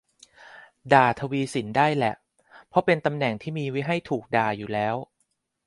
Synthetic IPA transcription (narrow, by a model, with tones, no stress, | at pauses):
daː˨˩t̪ʰa˧wiː˧si˩˦ndaː˥˩jlɛ˨˩ʔ | pʰɔ˦˥pe˧nt̪a˧mnɛ˨˩ŋt̪ʰiː˥˩miː˧wi˦˥ɦa˥˩jt̪ʰuː˨˩k̚daː˨˩juː˨˩lɛː˦˥w